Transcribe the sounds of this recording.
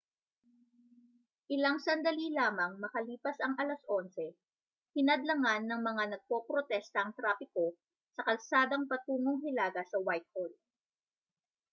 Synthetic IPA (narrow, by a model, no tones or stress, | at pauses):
ʔɪlaŋsɐnd̪ɐlilaːmɐŋmɐkɐliːpɐsɐŋɐlasʔo̞nsɛ | hɪnɐd̪lɐŋanːɐŋmɐŋanɐɡ̚po̞ːpɾot̪ɛst̪ɐʔŋt̪ɾaːpɪko̞ | sɐkɐlsaːd̪ɐŋpɐt̪uːŋoŋhɪlaːɡɐsɐwajt̪̚hold̪̚